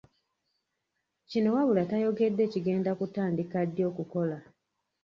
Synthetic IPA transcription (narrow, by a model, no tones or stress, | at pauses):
cino̞waβulatajo̞ɡe̞dːe̞ːciɡe̞ːndakutaːndikadːjo̞ːkuko̞la